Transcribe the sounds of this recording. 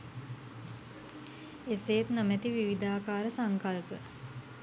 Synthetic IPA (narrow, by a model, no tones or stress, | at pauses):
eseːt̪nəmæt̪iʋiʋid̪aːkaːɾəsaŋkalpə